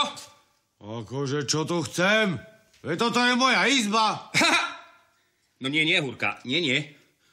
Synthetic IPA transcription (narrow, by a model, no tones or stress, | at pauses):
akɔʒɛt͡ʃɔt̪uxt͡sɛm | ɛt̪ɔt̪ɔjɛmɔjaizba | nɔɲɪɛɲɪɛɦuɾka̰ɲɪɛɲɪɛ